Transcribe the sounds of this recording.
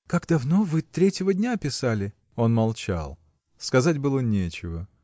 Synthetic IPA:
kaɡd̪ɐvno̞vɨt̪ɾʲetʲɪvədʲnʲapʲɪsalʲɪ | o̞nmɐlˠt͡ɕa̰lˠ | skɐzat̚ʲbɨlˠənʲet͡ɕɪvə

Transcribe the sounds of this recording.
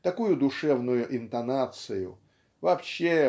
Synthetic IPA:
t̪ɐkujʊd̪ʊʂɛvnʊjʊʔɪnt̪ɐnat̪sɨjʊ̰ | vɐːpɕːe

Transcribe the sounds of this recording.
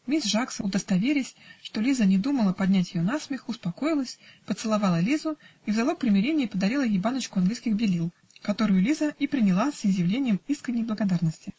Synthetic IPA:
mʲisʲʐaksəʊd̪əst̪ɐvʲeɾʲɪsʲʂt̪o̞lʲizənʲɪd̪uməlˠəpɐd̪ʲnʲætʲjɪjonasmʲɪxʊspɐko̞jɪlˠəsʲpət̪sɨlˠɐvɑlˠəlʲizʊivzɐlˠo̞k̚pɾʲɪmʲɪɾʲenʲɪjəpəd̪ɐɾʲilˠəjʲɪjbanət͡ɕkʊɐnɡlijskʲɪɣbʲɪlʲilˠ | kɐt̪o̞ɾɨjʊlʲizəipɾʲɪnʲɪlˠasɪzʲjɪvlʲenʲɪjəmiskɾʲɪnʲɪjblˠəɡɐd̪arnəsʲtʲɪ

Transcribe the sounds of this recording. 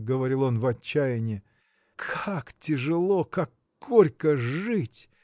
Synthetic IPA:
ɡəvɐɾʲilˠo̞nvɐt͡ɕːæjɪnʲɪ | kʰaktʲɪʐɨlˠo̞kakːoɾʲkəʐɨtʲ

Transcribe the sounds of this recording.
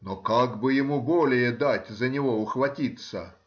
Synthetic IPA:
nokaɡbɨjɪmubolʲɪjəd̪atʲzənʲɪvoʊxvɐtʲit̪sə̰

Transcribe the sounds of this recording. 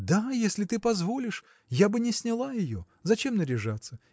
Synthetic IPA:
d̪ajesʲlʲɪt̪ɨpɐzvo̞lʲɪʂ | jabɨnʲɪsʲnʲɪlˠajɪjo̞̰ | zɐt͡ɕe̞mnəɾʲɪʐat̪sːə

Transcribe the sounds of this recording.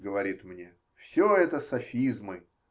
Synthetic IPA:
ɡəvɐɾʲit̪mnʲe̞ | fsʲoɛt̪əsɐfʲizmɨ

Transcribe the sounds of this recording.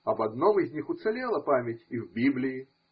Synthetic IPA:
ɐbɐd̪nɔmizʲnʲixʊt̪sɛlʲelˠɐpamʲetʲivbʲiblʲɪji

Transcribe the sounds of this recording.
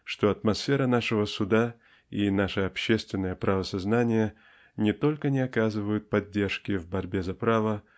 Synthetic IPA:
ʂt̪o̞ɐt̪mɐsfʲe̞ɾənaʂɨvəsʊd̪a | inaʂɨɐpɕːe̞st̪vʲɪnːəjəpɾɐvəsɐznanʲɪjə | nʲɪt̪o̞lʲkənʲɪɐkazɨvəjʊt̪̚pɐdʲːe̞rʂkʲɪvbɐɾʲbʲe̞zɐpɾavə

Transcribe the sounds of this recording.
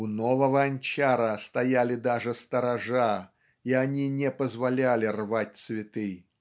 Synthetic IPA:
unovəvɐɐnʲt͡ɕaɾəst̪ajalʲɪd̪aʐɨst̪əɾaʐa | ianʲinʲɛpəzvalʲalʲɪrvat̚ʲt̪svʲɪt̪ɨj

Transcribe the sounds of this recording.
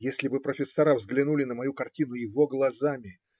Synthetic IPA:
jesʲlʲɪbɨpɾəfʲɪsːɐɾavzɡlʲɪnulʲɪn̪əmɐjukɐrtʲinʊjɪvo̞ɡlˠɐzamʲɪ

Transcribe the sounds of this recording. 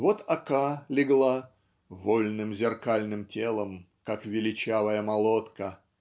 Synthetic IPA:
vot̪ɐkalʲɪɡlˠa | volʲnɨmzʲɪrkalʲnɨmtʲelˠəm | kakvʲɪlʲɪt͡ɕavəjəmɐlˠot̪kə

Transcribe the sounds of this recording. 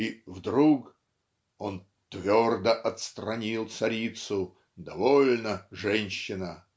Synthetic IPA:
ivd̪ɾuk | on | t̪vʲord̪əʔɐt̪st̪ɾɐnʲilˠt̪sɐɾʲit̪sʊ | d̪ɐvolʲnəʐɛnʲɕːɪnə

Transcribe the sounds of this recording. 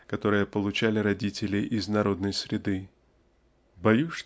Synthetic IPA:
kɐt̪o̞ɾɨjəpəlˠʊt͡ɕælʲɪɾɐdʲitʲɪlʲɪʔɪznɐɾo̞d̪nəjsɾʲɪd̪ɨ | bɐjuʂ

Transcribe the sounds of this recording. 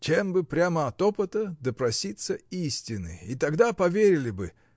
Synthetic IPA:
t͡ɕembɨpɾʲaməɐt̪opɨt̪əd̪əpɾɐsʲit̪səisʲtʲɪnɨ̰it̪ɐɡd̪apɐvʲeɾʲɪlʲɪbɨ

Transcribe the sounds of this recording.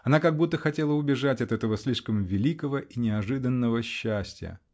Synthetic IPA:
ɐnakɐɡ̚but̪ːəxɐtʲelˠəʊbʲɪʐatʲɐt̪ɛt̪əvəsʲlʲiʂkəmvʲɪlʲikəvəʔinʲɪɐʐɨd̪ənːəvəɕːæsʲtʲjə̰

